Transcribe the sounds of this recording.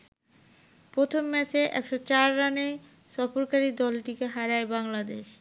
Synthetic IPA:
pɾot̪ʰomːɛt͡ɕeʔɛ̰kʃot͡ɕaɾːanej | ʃɔfoɾkaɾid̪ɔlʈikeɦaɾaebaŋlad̪eʃ

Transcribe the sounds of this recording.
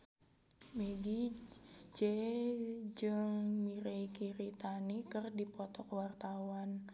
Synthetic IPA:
meɡi | d͡ʒɛ | d͡ʒɨŋmiɾeikiɾit̪anikɨrdipɔt̪ɔkəwart̪awan

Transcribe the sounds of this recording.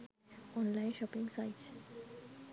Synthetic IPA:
ʔɔ̃ːnlãɪ̃nʃɔpɪ̃ŋɡsaɪʈs

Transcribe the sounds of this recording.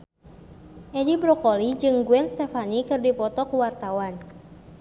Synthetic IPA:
ʔɛdibɾɔkolid͡ʒɨŋɡuɛnst̪ɛfanikɨrdipɔt̪ɔkuwart̪awan

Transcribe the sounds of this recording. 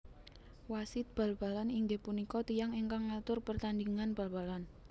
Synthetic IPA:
wasɪt̪̚b̥ä̤lb̥a̤laniŋɡepunikɔt̪ijaŋiŋkaŋat̪ʊrpərt̪and̪iŋanb̥a̤lb̥a̤lan

